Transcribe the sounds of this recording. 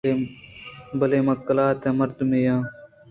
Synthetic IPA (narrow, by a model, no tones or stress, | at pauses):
bəleːməkːəlaːt̪ɛ̃ːməɾd̪meːjãː